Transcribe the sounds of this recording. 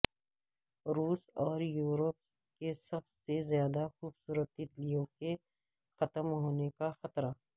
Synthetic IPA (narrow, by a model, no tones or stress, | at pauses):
ɾuːsɔːɾjuːɾəp̚ | kesɐbsezjaːd̪axuːbsuːɾət̪it̪lijõke | xɐt̪əmɦoːnekaxɐt̪ɾa